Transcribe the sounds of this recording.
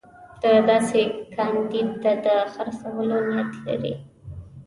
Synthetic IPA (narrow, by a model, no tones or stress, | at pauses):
d̪̥əd̪ɑsekʰɑnd̪id̪̚ad̪əxaɾsawəlonat̪la̰ɾḭ